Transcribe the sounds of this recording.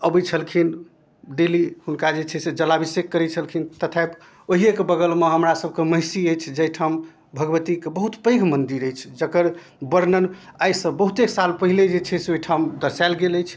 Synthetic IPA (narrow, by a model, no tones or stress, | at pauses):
əbit͡ʃʰəlkʰin | ɖelihunkad͡ʒet͡ʃʰɛsed͡ʒəlabisekːəɾɛt͡ʃʰəlkʰint̪ət̪ʰap | oɦiekebəɡəlmeɦəmɾasəb̚ʱkeməɦisiəjt͡ʃʰd͡ʒəjʈʰam | bʱəɡʋət̪ikebəɦut̪pə̃ɪɡʱmənd̪iɾəjt͡ʃʰd͡ʒəkəɾ | bəɾnən | ajsə̃bəɦut̪eksalpəɦiled͡ʒet͡ʃʰɛseoiʈʰamd̪əɾsajlɡeləjt͡ʃʰ